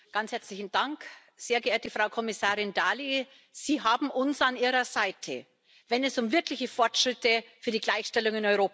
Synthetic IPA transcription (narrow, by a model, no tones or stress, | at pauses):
ɡ̥anshɛɐt͡slɪçn̩d̥aŋk | z̥eːɐɡəʔeːɐtəfʁ̥aʊkʰɔmɪsaːʁɪndaːli | z̥iːɦaːbm̩ʔʊnsanʔiːʁɐzaɪtʰə̰ | vɛnɛsʊmvɪɐklɪçəfɔɐtʃʁ̥ɪtəfyːɐdiːɡlaɪçʃtɛlʊŋɪnɔʏʁoːp